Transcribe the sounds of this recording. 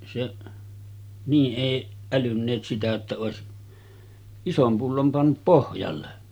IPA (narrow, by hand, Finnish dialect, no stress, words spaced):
seʔ niː ʔeˑiʔ ælynːeːt sitæ jotːɑ oˑesi isom pulːom pɑnːup pohjɑlːe